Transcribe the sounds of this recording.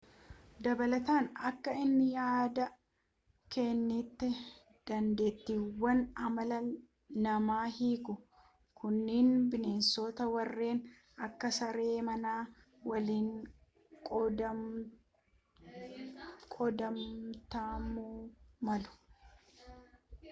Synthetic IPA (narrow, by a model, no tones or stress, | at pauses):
d̪ɐbɐlɐt̪aːnɐkːɐɪnːɪjaːd̪ɐ | keːnːit̪ːɪ | d̪̥ɐnd̪e̞ːt̪ːiːwɐnɐmɐlɐ | nɐmaːhiːɡʊ | kʊnːiːnbɪne̞ːnsoːt̪ɐwɐrːe̞ːn | ʔɐkːɐsɐɾe̞ːmɐnaː | wɐliːŋ | kʼɔ | kʼɔd̪ɐmt̪ɐmuːmɐlʊ̥